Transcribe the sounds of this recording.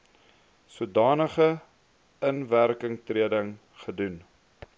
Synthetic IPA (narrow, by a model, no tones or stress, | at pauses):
suədɑːnəχə | ənværkəŋtriədəŋ | χədun